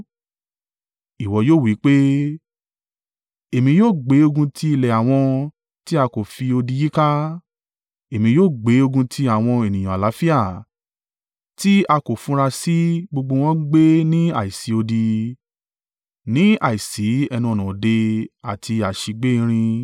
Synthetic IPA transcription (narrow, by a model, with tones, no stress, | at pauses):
i˨wɔ˨˦joː˦˨wi˨˦k͡pe˦ | e˨mĩ˧joː˦˨ɡ͡be˨˦o˧ɡũ˧tʰi˦i˧˨lɛ˨a˨w̃ɔ̃˧ | ti˦a˧ko˨fi˧o˧di˧ji˦ka˦ | e˨mĩ˧joː˦˨ɡ͡be˨˦o˧ɡũ˧tʰi˧a˨w̃ɔ̃˧e˨nĩ˨j̃ã˨a˨la˨˦fi˦a˦˨ | ti˦a˧ko˨fũ˨˦ɾa˧si˦ɡ͡bo˧ɡ͡bo˧w̃ɔ̃˦ɡ͡be˦nĩ˦a̰˨i˨si˨˦o˧di˧ | nĩ˦a̰˨i˨si˨˦ɛ˧nũ˧ɔ˨nɔ̃˨de˧a˨tʰi˧a˨ʃi˧ɡ͡be˦ĩ˧ɾ̃ĩ˧